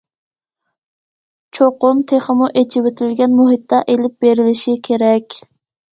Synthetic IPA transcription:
t͡ʃʰoqʊmt̪ʰeχəmuʔet͡ʃʰiwet̪ʰɪlɡʲɛnmuɦit̪ːɑʔelɪp̚beɾɪlɪʃikʲʰeɾɛkʲ

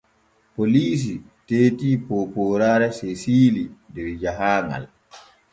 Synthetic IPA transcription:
poliːs̬i | teːtiːpopɔːɾaːɾɛsesiːlidɛɾd͡ʒaɦaːŋa̰l

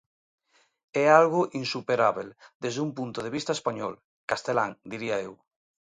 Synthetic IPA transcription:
ɛalɣoʔinsupeɾaβeld̪ezðumpunt̪oð̞eβ̞ist̪aespaɲɔl | kast̪elaŋd̪iɾiaew

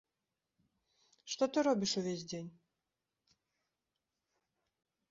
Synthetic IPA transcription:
ʂt̪ɔt̪ɨɾɔbʲiʂuvʲesʲdʲenʲ

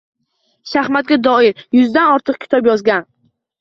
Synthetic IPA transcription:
ʃahmat̪̚ɡʲad̪ɒɪɾjʊzd̪anɒɾt̪ʰɨq̚kʲʰɪ̥t̪ʰɒpjɒzɡʲan

